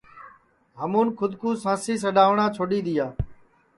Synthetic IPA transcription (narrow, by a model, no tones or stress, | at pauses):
ɦəmuːnkʰʊd̪kuːsãːsiːs̬əɗaːʋɳãːt͡ʃʰoːɗiːd̪iːaː